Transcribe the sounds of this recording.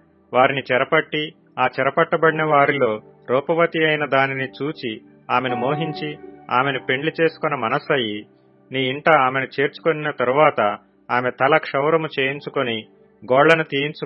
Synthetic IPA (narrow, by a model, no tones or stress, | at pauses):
ʋaːɾinit͡ʃɛɾɐpɐʈːi | aːt͡ʃɛɾɐpɐʈːɐbɐɽinɐʋaːɾilo̞ː | ɾɔːpɐʋɐt̪iɐjnɐd̪aːninit͡ʃuːt͡ʃi | aːme̞nimoːɦiɲt͡ʃia̰ːme̞nipe̞ɳɖlit͡ʃeːsu̥kɔnːɐmɐnɐsɐji | niːɳʈɐaːme̞nit͡ʃe̞ːɾt͡ʃu̥koninɐt̪ɐɾuʋaːt̪ɐ | aːme̞t̪ɐlɐkʂɐwɾɐmut͡ʃe̞ːjiɲt͡ʃukoni | ɡɔːɭːɐnut̪iːjiɲt͡ʃu